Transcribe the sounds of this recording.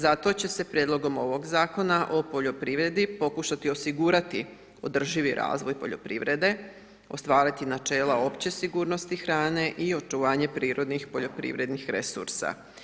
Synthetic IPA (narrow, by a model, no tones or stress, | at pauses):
zat̪o̞t͡ɕe̞se̞pɾjed̪lo̞ɡo̞mo̞ʋo̞ɡzaːko̞naʔo̞po̞ʎo̞pɾiʋɾe̞d̪ipo̞kuʃat̪io̞siɡuːɾat̪i | o̞d̪r̩ʒiʋiɾʔa̰ːzʋo̞jpo̞̰ʎo̞̰pɾḭʋɾe̞d̪e̞ | o̞st̪ʋaːɾit̪inat͡ʃe̞ːlao̞pt͡ɕe̞siɡuːɾno̞st̪ixɾaːne̞ʔio̞t͡ʃuʋaːɲe̞pɾiːɾo̞d̪nixpo̞ʎo̞pɾḭʋɾe̞d̪nixɾesṵɾsa̰